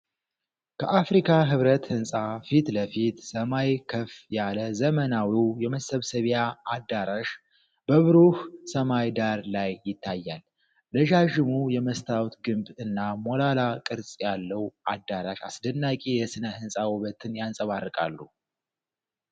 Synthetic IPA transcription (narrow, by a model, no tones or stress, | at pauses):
kʰəʔafɾikʰaɦɨβɾət̪hɨnsʼafit̪ləfit̪səmajkʰəfjaləzəmənawiwjɛməsəβsəβjaːd̪ːaɾaʃ | b̥əβɨɾuhsəmajd̪aɾlajːɪt̪ʰːajːal | d̪əʒaʒɨmujɛməst̪ʰawt̪ɡɨmbɨnːamolalakʼɨɾsʼjalːəwʔad̪ːaɾaʃasd̪ənːakʼijɛsɨnəhɨnsʼawuβət̪ʰɨnjansʼəβarːɨkʼa̰lːu